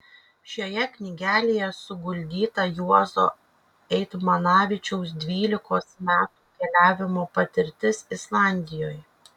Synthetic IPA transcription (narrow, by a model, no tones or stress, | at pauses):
ʃʲoːjɛknʲɪɡʲæːlʲejɛsʊɡʊlʲd̪ʲiːt̪ɐjuɔzo̰ː | ɛɪt̪mɐnɑːʋʲɪt͡ʃʲɛʊs̬d̪ʲʋʲiːlʲɪkoːsmʲæːt̪uːkʲɛlʲæːʋʲɪmoːpɐt̪ʲɪɾʲt̪ʲɪsɪslˠɑˑnʲd̪ʲɪjoːj